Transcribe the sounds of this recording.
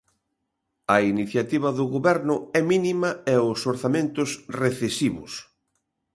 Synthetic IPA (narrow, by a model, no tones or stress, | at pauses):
ɐiniθjat̪iβ̞ɐðʊɣoβɛɾnʊɛminimɐɛʊsoɾθamẽnt̪ʊsreθesiβʊ̰s